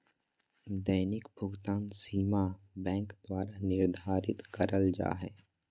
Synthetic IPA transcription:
d̪əjnɪkbʱʊɡt̪aːnsiːma | bɛ̃ːŋkd̪waːɾanɪɾd̪ʱaːɾɪt̪kəɾəld͡ʒa̰ːɦɛ̰ː

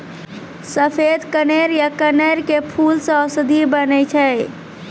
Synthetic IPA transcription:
səpʰed̪kəneɾjakəneɾkepʰulsə̃əsəd̪ʱibənɛt͡ʃʰɛj

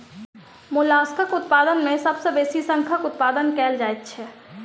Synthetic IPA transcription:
mʊlaːskʰəkʊt̪paːd̪ənmẽsəbsebeːsisə̃ŋkʰəkʊt̪paːd̪ənkɛːld͡ʒaːet̪̚t͡ʃʰɛ

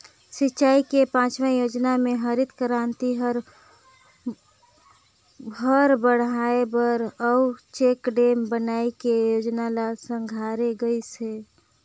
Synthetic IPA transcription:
sit͡ʃaːikepãːt͡ʃmɛjoːd͡ʒnamẽɦəɾit̪kəɾant̪iɦəɾ | bʱəɾbəɽ̤aebəɾəut͡ʃekɖembənaekejod͡ʒnalasə̃ŋɡʱaɾeɡəise

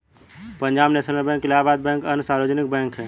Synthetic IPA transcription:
pə̃ɲd͡ʒaːbnesəɾmebɛ̃ːŋkɪlaːbaːd̪̚bɛ̃ːkənsaːɾod͡ʒnɪk̚bɛ̃ːŋkɦɛː

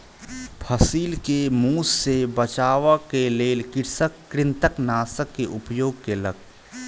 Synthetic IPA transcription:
pʰəsiːlkemuːsːebət͡ʃaːʋakeleːlkɪɾsəkːɾɪ̃nt̪əknaːsəkːeʔʊpjoːɡ̚keləɡ̚

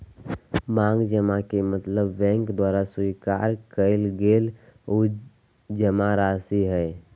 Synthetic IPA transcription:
mãŋɡd͡ʒəmakemət̪ləbːɛ̃ŋkd̪waɾasika̰ɾkəɪlɡelo | d͡ʒəmaɾasiɦɛɪ

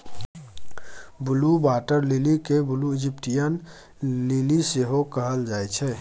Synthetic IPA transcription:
bulubaʈəɾlilikebuluid͡ʒipʈijən | liliseɦokəɦəld͡ʒajt͡ʃʰɛ

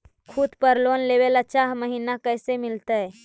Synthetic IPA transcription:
kʰud̪ʱpəɾlonlebelat͡ʃaɦməɦinakəjsemilt̪əj

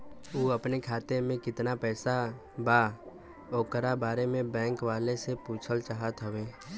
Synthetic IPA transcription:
oːəpnekʰaːt̪emẽkɪt̪napɛːsa | ba | oːkəɾabaːɾemẽbɛ̃ːŋkʋaːlesepuːt͡ʃʰəlt͡ʃaːɦət̪ɦəʋeː

